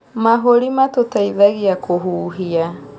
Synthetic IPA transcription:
maɦoɾimatotʰaiðaɡiakʰoɦuːɦia

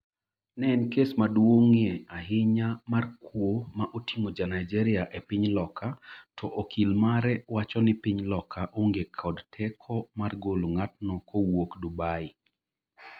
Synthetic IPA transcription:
nɛnkesmadwoŋeaɦɪɲamarkwomaʔotiŋod͡ʒanajd͡ʒɛɾɪaʔepɪɲlɔkʰatʰɔʔokʰilmaɾɛwat͡ʃɔnɪpiɲlɔkʰaʔoŋɡekʰɔdtʰɛkʰɔmarɡoloŋat̚nɔkʰowokdubaɪ

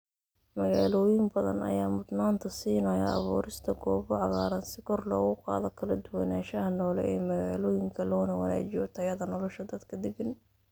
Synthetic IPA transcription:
mɐɣaːlɔːjɪmbɐðɐ̰nɐ̰jaːmʊd̪naːnt̪ʰɐsiːnɐjɐ̰ɑ̰βṵːɾɪst̪ʰɐɡɔːβɔʕɑɣaːɾɐnsɪkʰɔrlɔːɣʊqɑ̰ːðɔkʰɐlɐd̪ʊwɐnaːʃɐɦɐnɔːlɛ̰ʔɛːmɐɣaːlɔːjɪŋkʰɐlɔːnɐwɐla̰ːt͡ʃɪjɔt̪ʰɐjɐðɐnɔlɔʃɐd̪ɐd̪kʰɐd̪ɪɡɪn

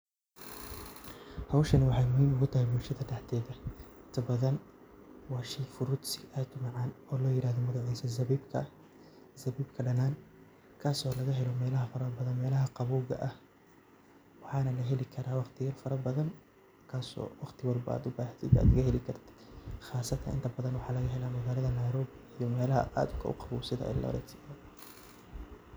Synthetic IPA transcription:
hɐwʃɐnwɑħɑjmʊhiːmʊɣʊt̪ʰɐhɛjbʊlʃɐðɐɖɛħt̪ʰɛːðɐɪnt̪ʰɐbɐðɐn | wɑːʃɛjfʊɾʊd̪sɪɐt̪ʊmɑʕɑːnɔːlɔːjɪɾʔaːhðɔmɐɣaʕijsɐzɐβiːbkʰɐ | zɐβiːbkʰɐɖɐnaːn | kʰaːsɔːlɐɣɐɦɛlɔmɛːlɐɦɐfɐɾɐbɐðɐnmɛːlɐɦɐqɑβuːɣɐ̰ʔɐh | wɑħɑːnɐlɐɦɛlɪkʰɐɾaːwɑχt̪ʰɪjɐrfɐɾɐbɐðɐn | kʰaːsɔ̰ːwɑqt̪ʰɪwɑlbɐa̰ːd̪ʊbaːht̪ʰɪd̪a̰ːd̪ɣɐɦɛlɪkʰɐrt̪ʰɪ̥d̪̥χɑːsɐt̪ʰɐ̰ʔɪ̰nt̪ʰɐbɐðɐnwɑħɑːlɐɣɐɦɛlaːmɐɣaːlɐðɐnɐjɾɔːβɪijɔmɛːlɐɦɐ̰ʔa̰ːd̪ʊ̥kʰɐ̰ʔʊ̰qɑβṵːsɪðɐ̰ʔɪ̰jlɐ̰ɾɛ̰t̪sɪjɐ

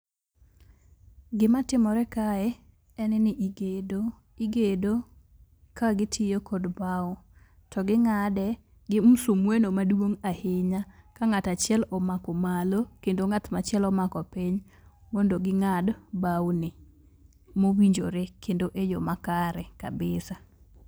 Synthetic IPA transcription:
ɡɪmatɪmɔɾɛkaɛ | ɛnɛnɪʔiɡedo | iɡedo | kaɡɪtʰɪjokʰɔdbaw | tɔɡɪŋadɛ | ɡɪmusumwenomadwoŋahɪɲakaŋatat͡ʃɪɛlɔmakɔmalokendoŋat̪mat͡ʃɪɛlɔmakɔpɪɲ | mondoɡɪŋadbawnɪ | mowiɲd͡ʒoɾekendoʔejomakaɾɛka̰bɪsa

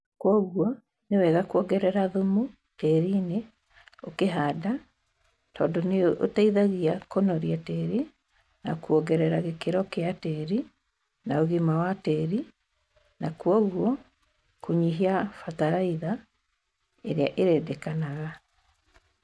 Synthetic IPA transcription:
kwɔɣuɔ | newɛɣakuɔɣɛɾɛɾaðomu | tɛɾiːne | okeɦaːda | tɔːndɔneʔotaiðaɣiakonɔɾiatɛɾi | nakuɔɣɛɾɛɾaɣekeɾɔkeatɛɾi | naoɣimawatɛɾi | nakwɔɣwɔ | koɲiɦiafataɾaiða | eɾeaʔeɾɛːdɛkanaɣa

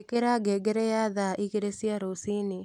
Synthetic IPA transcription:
keɾaɡɛɡeɾɛjaðaʔiɣeɾesiaɾosini

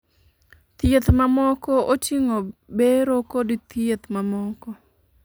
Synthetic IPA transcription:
t̪jet̪mamɔkɔʔot͡ʃiŋobeɾokodit̪jet̪mamɔkɔ

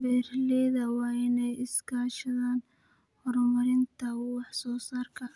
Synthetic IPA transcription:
bɛːrlɛːðɐwɑːɪnɛjɪskʰaːʃɐðaːn | hɔrmɐɾɪnt̪ʰɐwɑħsɔːsaːrkʰɐ

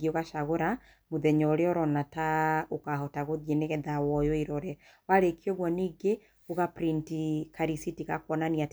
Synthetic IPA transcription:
ɡioɣaʃaɣoɾa | moðɛɲɔɾeɔɾɔnataokaɦɔtaɣoðiɛneɣɛðawɔjɔiɾɔɾɛ | waɾekiɔɣwɔniːɡe | oɣapɾintikaɾisitiɣakwɔnaniat

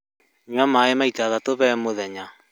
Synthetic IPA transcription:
ɲwamaemaitaːðatoβɛmoðɛɲa

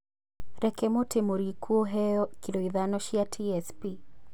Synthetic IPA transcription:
ɾɛkɛmotʰemoɾikʰuɔɦɛjɔkiloiðanɔʃiatʰiɛspi

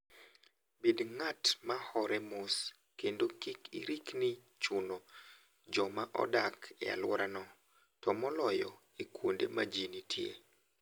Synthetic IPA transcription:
bedŋatmahɔɾɛmʊs | kendokikḭɾikni | t͡ʃʊno | d͡ʒɔmaʔɔ̰dakɛa̰lwɔɾanɔ | tɔmɔlɔjɔ | ikwondemad͡ʒinitʰjḛ

